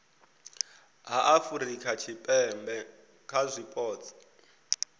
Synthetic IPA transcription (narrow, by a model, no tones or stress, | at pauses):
ɦaʔafuɾikʰat͡ʃʰipʼɛmbɛ | kʰazʷipʼɔːt͡sʰʼḁ